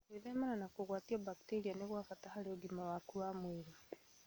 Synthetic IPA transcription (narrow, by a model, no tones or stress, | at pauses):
kwiðemananakuɣwaːtiaβaki̥teɾianeɣwafatahaleɡimawakuwamiɾi